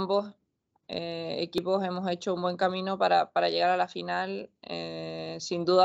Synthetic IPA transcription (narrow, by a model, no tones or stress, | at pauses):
mbo̞s | ḛḛkipo̞se̞mo̞se̞t͡ʃo̞umbwe̞ŋkamĩno̞paɾapaɾaʎe̞ɣaɾalafinalesind̪uða